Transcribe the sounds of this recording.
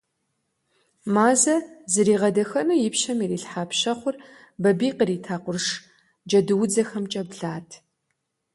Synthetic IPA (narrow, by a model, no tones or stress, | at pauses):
maːzɐzɨɾiːʁɐdɐxɐnujɪpʃɐmiriːɬħaːpɕɐχʷʊr | bɐbiːqəɾiːtʰaːqʷʊrʂ | d͡ʒɐdɨwʊd͡zɐxɐmt͡ʃʼɐbɮaːtʰ